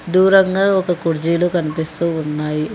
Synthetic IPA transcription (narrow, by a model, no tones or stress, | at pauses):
d̪uːɾɐŋɡaːɔkɐkuɾd͡ʒiloːkɐnipist̪uːnːaːji